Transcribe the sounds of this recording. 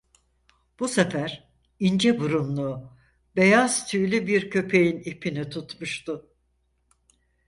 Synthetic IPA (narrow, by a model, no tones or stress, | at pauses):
b̥usefæɾ̥ | ind͡ʒɛbuɾumlˠu | be̞jaz̥t̪ʰyjlʲybiɾcʰø̞pʰe̞jinipʰinit̪ʰut̪muʃt̪ʊ